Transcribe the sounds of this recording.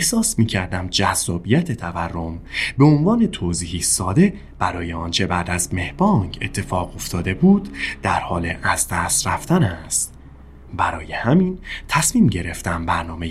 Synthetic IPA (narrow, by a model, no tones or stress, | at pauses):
ehsɒːsmiːcʰæɾd̪æmd͡ʒæzːɒːbijæt̪ʰe̞t̪ʰæværːo̞mbeonvɒːne̞t̪ʰoːziːhiːsɒːd̪e̞ | b̥æɾɒːjeɒːnt͡ʃʰe̞bæd̪æzme̞hbɒːŋkʰe̞̰t̪ʰːe̞fɒːɣo̞ft̪ʰɒːd̪e̞buːd̪̥d̪̥æɾhɒːleʔæzd̪æst̪ɾæft̪ʰænæst̪ | bæɾɒːje̞hæmiːnt̪ʰæsmiːmɟe̞ɾe̞ft̪æmbæɾnɒːmej